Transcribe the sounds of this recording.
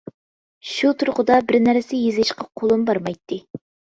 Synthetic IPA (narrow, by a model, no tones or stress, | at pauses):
ʃut̪ʰuɾqʰʊd̪ɑbɪɾnæɾsɪjezɪʃqʰɑqʰolˠumbɑɾmɑjt̪ʰːɨ